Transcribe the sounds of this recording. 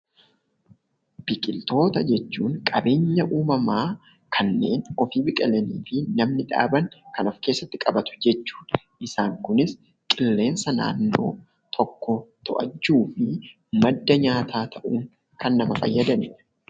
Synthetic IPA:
b̥ɪkʼɪlt̪o̞ːt̪ɐd͡ʒɛt͡ʃːuːŋkʼɐbe̞ːɲːɐʔuːmɐmaː | kʰɐnːe̞̰ːnɔfiːbɪkʼɛlɛniːfɪnɐmnɪᶑa̰ːbɐŋkɐnɔfkeːsːɐt̪ːɪkʼɐbɐt̪ʊ̥d͡ʒɛt͡ʃːu̥ːᶑɐ̥ | ʔɪsaːŋkʊnɪs | kʼɪlːe̞ːnsɐna̰ːnːo̞̰ː | t̪ʰɔkːɔt̪ʰɔʔɐ̰t͡ʃːuːfɪ | mɐd̪ːɐɲaːt̪ʰaːt̪ʰɐʔuːŋ | kɐnːɐmɐfɐ̰jːɐd̪ɐnɛ

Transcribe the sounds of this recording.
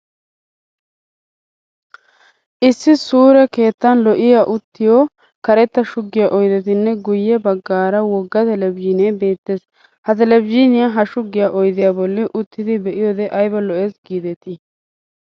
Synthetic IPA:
ʔɪsːɪsuːɾɛke̞ːt̪ːɐnlɔʔɪjaʔʊt̪ːɪjo | kɐɾɛt̪ːɐʃʊɡːɪjaʔɔjd̪ɛt̪ɪnːɛɡʊjːɛbɐɡːaːɾɐwɔɡːɐt̪ɛlɛbd͡ʒinɛbe̞ːt̪ːeːs | hɐt̪ɛlɛbd͡ʒinɪjaɦɐʃʊɡːɪjaʔɔjd̪ɪjaːbɔlːɪʔʊt̪ːɪd̪ɪbɛʔɪjɔːd̪ɛʔɐjbɐlɔʔeːsɡiːd̪ɛt̪ɪ

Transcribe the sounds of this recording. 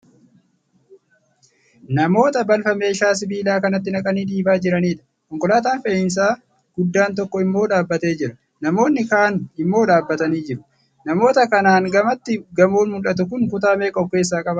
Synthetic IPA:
nɐmo̞ːt̪ɐbɐlfɐme̞ːʃaːs̬ɪbiːlaːkɐnɐt̪ːɪnɐkʼɐniːd̪iːbaːd͡ʒɪɾɐniːᶑɐ̥ | kɔŋkʼɔlaːt̪aːnfeːɪns̬aː | ɡ̥ʊd̪ːaːnt̪ɔkːɔɪmːo̞ːᶑaːbːɐt̪e̞ːd͡ʒɪɾɐ | nɐmo̞ːnːɪkaːnɪmːo̞ːᶑ̪aːbːɐt̪ɐniːd͡ʒɪɾʊ̥ | nɐmo̞ːt̪ɐkɐnaːŋɡɐmɐt̪ːɪɡɐmuːnmʊlɐt̪̬ʊkʊŋkʊt̪aːme̞ːkʼɔb̚ke̞ːs̬ːaːkʼɐbɐ

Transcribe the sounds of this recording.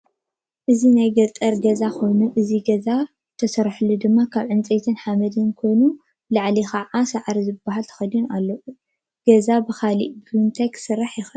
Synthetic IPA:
ʔɨzinajɡɐt̪ʼːɐɾɡɐzako̞jnuʔɨziɡɐza | t̪ʰɐsɐɾħlud̪ɨmːakʰaβʕɨnt͡sʼet̪ʰɨnħamɐd̪ɨnkʰo̞jnu | laʕlixaʕasaʕɾizɨbːaɦalt̪ʰɐ̥xɐd̪unalːɐʔu | ɡ̥ɐzabɨxaliʔbɨɨnt̪ʰajksɨɾːaħjɪxɨ

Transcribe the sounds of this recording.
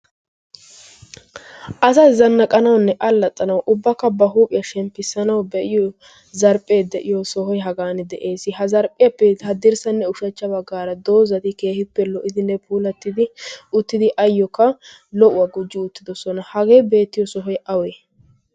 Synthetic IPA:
ʔɐsɐzɐnːɐkʼɐnɐwnːɛʔɐlːɐt̪ʼːɐnɐwʔʊbːɐkːɐbɐɦuːpʼɪjɐʃɛmpːɪsːɐnɐwbɛʔɪjɔ | zɐɾpʼːe̞ːd̪ɛʔɪjɔsɔɦɔjɦɐɡaːnɛd̪ɛʔe̞ːsɪɦɐzɐɾpʼːɪjɐpːɛhɐd̪ɪɾsɐnːɛʊʃɐt͡ʃːɐbɐɡːaːɾɐd̪oːzɐt̪ɪke̞ːhɪpːɛlɔʔɪd̪ɪnːɛpʰuːlɐt̪ːɪd̪ɪʊt̪ːɪd̪ɪʔɐjːɔkːɐ | lɔʔʊwɐɡʊd͡ʒːɪʊt̪ːɪd̪ɔsɔnɐhɐɡe̞ːbe̞ːt̪ːɪjɔsɔɦɔjʔɐweː

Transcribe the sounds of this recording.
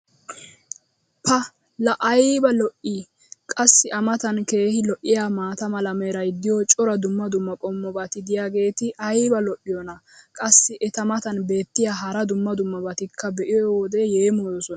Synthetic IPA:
pʰɐ | lɐʔɐjbɐlɔʔiː | kʼɐsːɪʔɐmɐt̪ɐnke̞ːhɪlɔʔːɪjaːmaːt̪ɐmɐlɐmɛɾɐjd̪ɪjɔt͡ʃʼɔɾɐd̪ʊmːɐd̪ʊmːɐkʼɔmːɔbɐt̪ɪd̪ɪjaːɡe̞ːt̪ɪʔɐjbɐlɔʔːɪjɔnɐkʼɐsːɪʔɛt̪ɐmɐt̪ɐnbe̞ːt̪ːɪjaːɦɐɾɐd̪ʊmːɐd̪ʊmːɐbɐt̪ɪkʰːɐbɛʔɪjɔwɔd̪ɛjeːmojɔsɔn

